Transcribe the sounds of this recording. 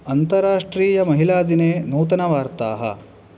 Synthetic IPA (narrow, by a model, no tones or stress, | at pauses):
ɐnt̪ɐɾaːʂʈɾiːjɐmɐɦilaːd̪ineːnuːt̪ɐnɐʋaːɾt̪a̰ːɦɐ̰